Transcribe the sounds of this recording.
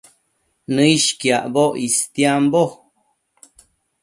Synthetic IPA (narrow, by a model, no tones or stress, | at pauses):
nɨiʃkjaʔboʔist̪jambo